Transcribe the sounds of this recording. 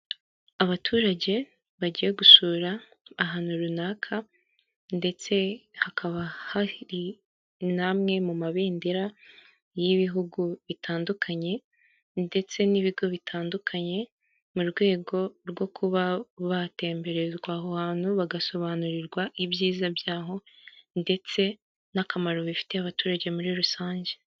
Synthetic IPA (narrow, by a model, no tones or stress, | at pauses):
aβatʰuːɾaɟe̞ | βaɟiːje̞ɡusuːɾaː | ɦan̥uɾunaːkʰa | nde̞t͡se̞hakʰaβahaɾi | namŋe̞mumaβeːndiɾa | jiβiɦuɡuβitʰaːndukʰaɲe̞ | nde̞t͡se̞niβiɡo̞βitʰaːndukʰaɲe̞ | muɾɡwe̞ːɡo̞ɾɡwo̞kʰuβaβate̞ːmbe̞ɾe̞zɡwaɦohaːn̥huβaɡaso̞βanuɾiɾɡwaʔibjiːzabjaːɦo̞nde̞t͡se̞ | nakamaɾo̞βifi̥te̞aβatuːɾaɟe̞muɾiɾusaːɲɟe̞